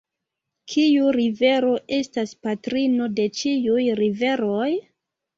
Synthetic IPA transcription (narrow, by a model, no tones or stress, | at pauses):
kʰiuɾive̞ɾo̞ʔe̞staspatɾino̞de̞t͡ʃiujɾive̞ɾo̞j